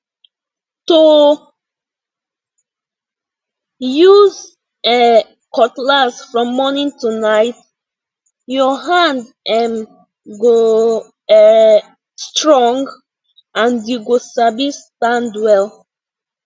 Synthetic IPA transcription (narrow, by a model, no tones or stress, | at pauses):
tu | juz | ɛ | kɔtlasfɹɔ̃mːɔnĩŋtunaɪt | jɔɦãnd | ɛm | ɡo | ɛ | stɹɔ̃ŋɡ | ãnjuɡosabistãndwɛl